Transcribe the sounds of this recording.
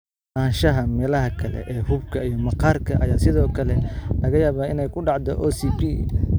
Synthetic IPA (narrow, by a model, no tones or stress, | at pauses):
aːnʃɐɦɐmɛːlɐɦɐkʰɐlɛ̰ʔɛːhʊbkʰɐijɞmɑqɑːrkʰɐʔɐ̰jaːsɪðɔːkʰɐlɛlɐɣɐjaːβɔːɪnɛjkʰʊɖɑʕd̪ɔ̰ʔɔːsipi